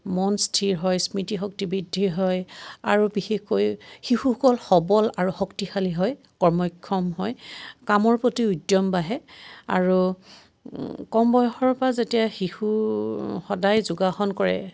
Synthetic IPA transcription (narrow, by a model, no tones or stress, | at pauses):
mɔnstʰiɹɦɔjsmitiɦɔk̚tibidʱiɦɔja̰ɹubixexkojxixuhɔkɔlxɔbɔlaɹuxɔktixaliɦɔj | kɔɹmɔkʰːɔmɦɔjkamɔɹpɹotiudjɔmbaɦɛa̰ɹu | kɔmbɔjxɔɹpazetijaxixu | xɔdajzuɡaxɔnkɔɹɛ̰